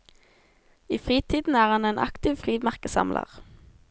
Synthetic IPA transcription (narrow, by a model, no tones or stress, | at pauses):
iːfʁiːt̪ʰiːd̪n̩æːʁɑneːnʔɑ̰kt̪ɪʋfʁiːʋmæʁkəsɑ̰mlə̰ʁ